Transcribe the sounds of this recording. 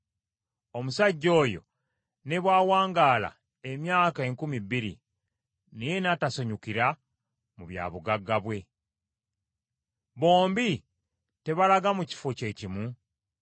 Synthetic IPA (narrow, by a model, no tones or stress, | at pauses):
o̞musaɟːo̞ːjo̞̰ | ne̞βwaːwaːŋɡaːla̰ | e̞mjaːkaeŋkumibːiɾḭ | nije̞nataso̞ɲukiɾa | muβja̰ːβuɡaɡːaβwe̞ | βo̞ːmbi | te̞βalaɡamuci̥foce̞cimu